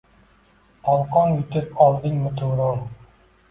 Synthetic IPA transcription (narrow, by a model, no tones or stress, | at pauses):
ɒlˠqɒnjʊt̪ʰɪpɒlˠd̪ɪŋmɪt̪ʰʊwɾɒn